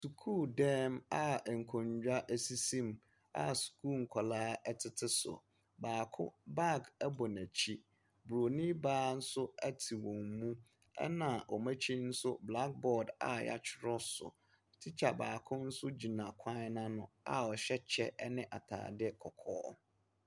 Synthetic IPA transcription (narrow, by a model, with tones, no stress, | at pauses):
su˨kʰuː˦˨dɛ̃˦ma˨ŋ̩˨kʰɔ̃˨ɲd͡ʑᶣa˦ʔæ˨si˦sĩ˦m | a̰˨su̥˨kʰuː˦˨ŋ̩˨kʰɔ˨laː˦ɛ˦tʰɪ˦tʰɪ˦sʊ̰˨ | baː˨kʰʊ̰˦ba˦˨ɡɛ˦bɔ˨næ˨t͡ɕʰi˦ | bɾo˨nĩ˦baː˦n̩˦sʊ˦æ˦tʰi˨wɔ̃˨mmũ˦ | ɛ̰˦nã˨ʔɔ˨mæ̃˦t͡ɕʰi˦n̩˦sʊ˦bla˦k̚bɔ˨da̰˨ja̰˦t͡ɕʰɪ˦ɾɔ˦sʊ̰˨ | tʰi˦t͡ɕʰa˨baː˨kʰʊ̃˦n̩˦sʊ˦d͡ʑi˨nã˨kʷʰã˦nã˦nʊ̃˨a̰˨ɔ˨ɕɛ˦t͡ɕʰɛ˦ɛ˦nɪ̃˦ʔa˨tʰa̰ː˨dɪ˦ɛ˦kʰɔ˨kʰɔ̰ː˦